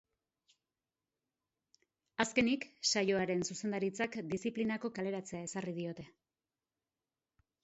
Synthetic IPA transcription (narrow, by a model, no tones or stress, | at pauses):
aske̞niksajo̞aɾe̞nsuse̞nd̪aɾit͡sakd̪isiplinako̞kale̞ɾat͡se̞ae̞sarið̞io̞t̪e̞